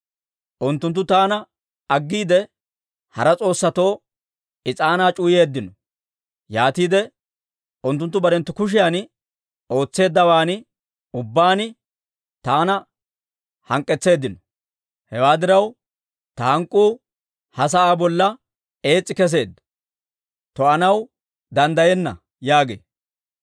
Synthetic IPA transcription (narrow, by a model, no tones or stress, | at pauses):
ʔʊnt̪ːʊnt̪ːʊt̪aːnɐ | ɐɡːiːd̪ɛ | hɐɾɐt͡sʼo̞ːsːɐt̪o̞ː | ɪt͡sʼaːnaːt͡ʃʼʊːje̞ːd̪ːɪnɔ | jaːt̪iːd̪ɛ | ʊnt̪ːʊnt̪ːʊbɐɾɛnt̪ːʊkʊʃ̬ɪjan | o̞ːt͡sːe̞ːd̪ːɐwaːn | ʊbːaːnɪ | t̪aːnɐ | hɐŋkʼːɛt͡sːe̞ːd̪ːɪnɔ | hɛwaːd̪ɪɾɐw | t̪ɐhɐŋkʼːuː | hɐs̬ɐaːbɔlːɐ | e̞ːt͡sʼːɪkɛs̬e̞ːd̪ːɐ̥ | t̪ɔɐnɐw | d̪ɐnd̪ɐjɛnːɐ̰ | jaːɡḛː